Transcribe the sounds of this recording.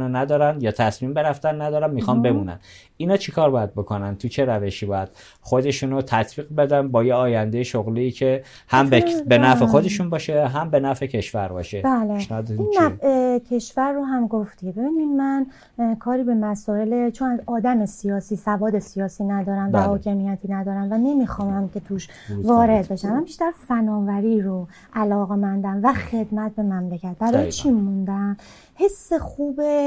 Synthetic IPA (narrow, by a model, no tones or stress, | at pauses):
nonæd̪ɒːɾænd̪jɒːt̪ʰæsmiːmbeɾæft̪ænːæd̪ɒːɾæmmixɒnbe̞muːnæ̰n | iːnɒːt͡ʃʰikʰɒːɾbɒːjæd̪̚bo̞kʰonænt̪ʰut͡ʃʰe̞ɾæve̞ʃiːbɒːjæd̪̥ | xod̪e̞ʃuːnot̪ʰæt̪ʰb̥iːɣbe̞d̪ænbɒːjeɒːjænd̪e̞jeʃoɣliːcʰe̞ | hæmbbenæfexo̞d̪e̞ʃunbɒːʃeɦæmbe̞næfecʰe̞ʃvæɾbɒ̰ːʃebæːleeʃnːd̪inːæfecʰe̞ʃvæɾːoɦæmɡoft̪ibe̞biːninmæn | kʰɒːɾiːbe̞mæsɒːe̞let͡ʃʰonæzɒːd̪æmesijɒːsiːsævɒːd̪e̞sijɒːsiːnæd̪ɒːɾæmvæhɒːcʰemijæt̪ʰiːnæd̪ɒːɾæmvæne̞miːxɒːmæmcʰe̞t̪ʰuːʃ | vɒːɾe̞d̪be̞ʃæmːænbiʃt̪æɾfænɒːvæɾiːɾo | ʔælɒːɣe̞mænd̪æmvæxe̞d̪mæt̪̚be̞mæmlecʰæt̪̚bæɾɒːjet͡ʃʰimːund̪æm | he̞sːe̞xuːbe